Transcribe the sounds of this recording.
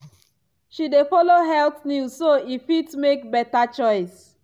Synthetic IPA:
ʃidefɔloɦɛltnuzsoifitsmek̚bɛtat͡ʃɔɪs

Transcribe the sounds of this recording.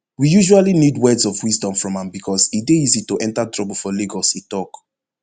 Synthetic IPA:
wijuʒualinidwɛdsɔvwizdɔ̃ɱfɹɔ̃mãmbikʰɔzideizitoʔɛ̃ntatɹɔbəlfɔleɡɔsitɔk

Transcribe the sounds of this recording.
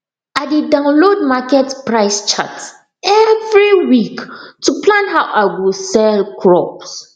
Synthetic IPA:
adidãʊ̃nlod̚makɛtpɹaɪst͡ʃa̰t | ɛvɹiwiktuplãnɦawʔaɪwisɛlkʰɹɔps

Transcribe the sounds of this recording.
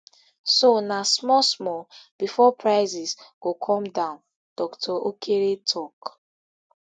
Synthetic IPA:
sonasmɔsmɔb̥ifɔpɹaɪzisɡ̥okʰɔ̃mdãʊ̃n | d̥ɔktʰɔʔokʰeɾetʰɔk

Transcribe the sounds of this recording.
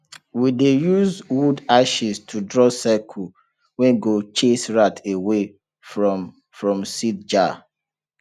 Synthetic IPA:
widejuzwudaʃistʰudɹɔsakʰu | wɛ̃nɡot͡ʃesɹatʰewe | fɹɔ | fɹɔ̃msit̚d͡ʒa

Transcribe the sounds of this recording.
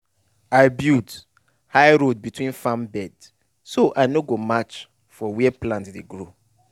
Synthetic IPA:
aɪbjud | haɪɹod̚bitʰwĩnfãmbɛd̥ | soʔaɪnoɡomat͡ʃ | fɔwiɛpʰlãntdeɡɹo

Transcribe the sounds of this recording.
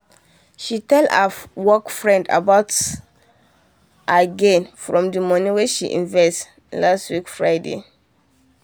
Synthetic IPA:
ʃitɛla̰wɔkfɹɛ̃nda̰baʊt | ʔaɡɛ̃nfɹɔ̃mdəmɔ̃nĩwɛʃḭʔḭ̃nvɛst | lastwikfɹaɪdḛ

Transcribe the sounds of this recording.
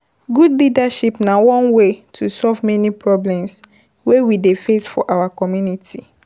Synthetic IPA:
ɡudlidaʃipnawɔ̃nwetʰusɔlvmɛnipɹɔblɛ̃ms | wewidefesfɔʔawakɔmjunitʰi

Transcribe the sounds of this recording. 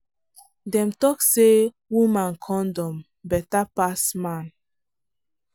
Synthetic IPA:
dɛ̃mtɔkse | wumãnkʰɔ̃ndɔ̃m | bɛtapasmãn

